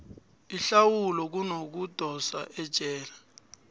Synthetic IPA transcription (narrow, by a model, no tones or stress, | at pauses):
iɬawulɔk̬unok̬ud̥ʱɔsa̰ʔɛd̥ʒ̥ʱɛːla